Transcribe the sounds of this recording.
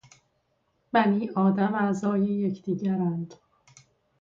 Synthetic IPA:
b̥æniːʔɒːd̪æmæzɒːjejecʰd̪̥iːɟæɾænd̪̥

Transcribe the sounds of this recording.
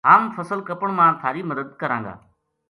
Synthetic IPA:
ɦaːmfəsəlkəpəɳ̃mãːt̪ʰaːɾiːməd̪əd̪kəɾãːŋɡa̰ː

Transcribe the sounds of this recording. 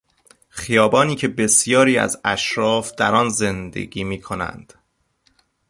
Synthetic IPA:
xijɒːbɒːniːcʰe̞be̞sjɒːɾiːæ̰zæʃɾɒːfd̪̥æɾɒːnze̞nd̪e̞̰ɡiːmiːkʰo̞næ̰nd̪̥

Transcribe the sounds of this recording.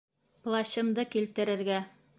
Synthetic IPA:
plˠɑɕɤ̆md̪ɤkilt̪ɘ̆ɾɘ̆ɾɡæ

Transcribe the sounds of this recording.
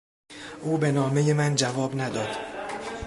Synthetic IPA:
ʔuːbe̞nɒːme̞jemænd͡ʒævɒːbnæd̪ɒːd̪̥

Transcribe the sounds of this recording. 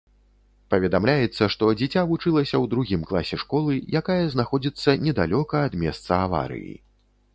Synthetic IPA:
pɐvʲɛd̪amlʲajɛt̪sːɐʂt̪ɔd͡zʲɛt͡sʲavut͡ʂɨlˠɐsʲɐwd̪ɾuɣʲimklˠasʲɛʂkɔlˠɨjakajɐznaxɔd͡zʲit̪sːɐnʲɛd̪alʲɔkɐːd̪mʲɛ̰st̪sɐava̰ɾɨ̰jḭ

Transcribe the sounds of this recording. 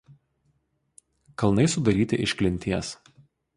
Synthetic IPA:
kɐlˠnɐɪsʊd̪ɐɾʲiːt̪ʲɪʔɪʃʲklʲɪnʲt̪ʲiɛs

